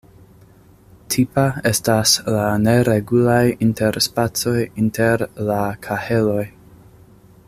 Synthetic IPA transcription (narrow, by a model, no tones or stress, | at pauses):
tʰipae̞staslane̞ɾeɡulajintʰe̞ɾspat͡so̞jinte̞ɾlakʰahe̞lo̞j